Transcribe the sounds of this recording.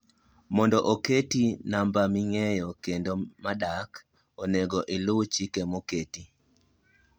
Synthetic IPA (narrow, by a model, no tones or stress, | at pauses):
mɔndɔʔoketinambamiŋejɔkendomaɗak | oneɡɔʔɪlʊwt͡ʃikemoketi